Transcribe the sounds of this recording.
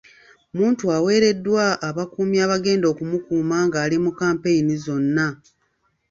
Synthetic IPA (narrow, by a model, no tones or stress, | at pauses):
muːntuawe̞ːɾe̞dːwaːβakuːmjaːβaɡe̞ːndo̞kumukuːmaŋɡaːlimukaːmpe̞jinizo̞nːa